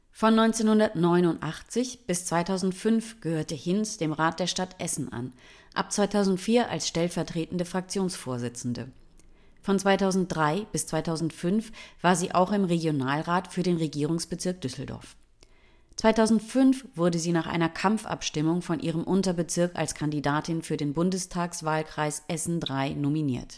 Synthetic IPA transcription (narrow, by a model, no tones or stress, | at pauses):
fɔnːɔʏnt͡seːnhʊndɐtnɔʏnʊntʔaχt͡sɪçb̥ɪst͡sv̥aɪtʰaʊzn̩tfʏnfɡ̥əhøːɐtəhɪnsd̥eːmʁaːt̚d̥eːɐʃtatʔɛsn̩ʔa̰n | ʔa̰p̚t͡sv̥aɪtʰaʊzn̩tfiːɐʔa̰lsʃtɛlfɛɐtʁ̥eːtn̩dəfʁ̥ak̚t͡sjoːnsfoːɐzɪt͡sn̩də̰ | fɔnt͡sv̥aɪtʰaʊzn̩t̚d̥ʁaɪb̥ɪst͡sv̥aɪtʰaʊzn̩tfʏnfv̥aːɐziːʔa̰ʊxɪmʁeɡjonaːlʁaːtfyːɐdeːnʁeɡiːʁ̞ʊŋsb̥ət͡sɪɐk̚d̥ʏsl̩dɔ̰ɐf | t͡sv̥aɪtaʊzn̩tfʏnfv̥ʊɐdəziːnaːχʔa̰ɪnɐkʰamfʔa̰pʃtɪmʊŋfɔnʔḭːʁ̞əmʔʊntɐbət͡sɪɐka̰lskʰandidaːtɪnfyːɐdeːnbʊndəstʰaːksv̥aːlkʁ̥aɪsʔɛsn̩dʁaɪnominḭːɐt